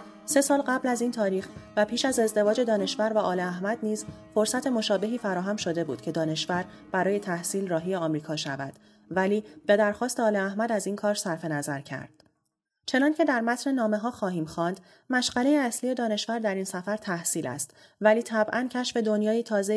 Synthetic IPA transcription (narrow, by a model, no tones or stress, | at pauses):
se̞sɒːlɢæblæziːnt̪ʰɒːɾiːxvæpʰiːʃæze̞zd̪e̞vɒːd͡ʒe̞d̪ɒːne̞ʃvæɾvæʔɒːleæɦmæd̪niːz | fo̞ɾsæt̪ʰe̞mo̞ʃɒːbe̞ɦiːfæɾɒːɦæmʃo̞d̪e̞bṵːd̪̥̚cʰe̞d̪ɒːne̞ʃvæɾ | b̥æɾɒːje̞t̪ʰæhsiːlrɒːɦijeɒːmɾiːkʰɒːʃævæ̰d̪̥ | væliːb̥e̞d̪æɾxɒːst̪eɒːleæhmæd̪æziːnkʰɒːɾsæɾfe̞næzæɾcʰæ̰ɾd̪̥̚ | t͡ʃʰe̞nɒːncʰe̞d̪æɾmæt̪ʰnenɒːme̞ɦɒːxɒːɦiːmxɒːnd̪̥ | mæʃɢælejeæslije̞d̪ɒːne̞ʃvæɾd̪æɾinsæfæɾt̪ʰæhsiːlæ̰st̪ | væliːt̪ʰæbʔæncʰæʃfe̞d̪onjɒːjit̪ʰɒːze